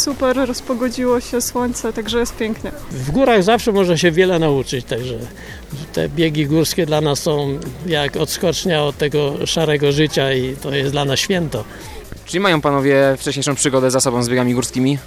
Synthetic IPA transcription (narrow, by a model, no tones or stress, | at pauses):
supɛɾːɔspɔɡɔd͡ʑiwɔɕɛswɔɲt̪sɛt̪aɡʐɛjɛst̪̚pʲjɛŋknɛvɡuɾaɣzafʂɛmɔʐaɕɛvʲjɛlɛnaut͡ʂɘt͡ɕt̪aɡʐɛ | t̪ɛ̰bʲjɛɡʲiɡuɾskʲɛd̪lanasːɔ̃w̃jakɔt̪skɔt͡ʂɲaɔt̪ːɛɡɔʂaɾɛɡɔʐɘt͡ɕait̪ɔjɛsd̪lanasɕfʲjɛnt̪ɔ | t͡ʂɘlʲimajɔ̃w̃panɔvʲjɛft͡ʂɛɕɲejʂɔ̃w̃pʂɘɡɔd̪ɛzasɔbɔ̃zbʲeɡamʲiɡuɾskʲimʲi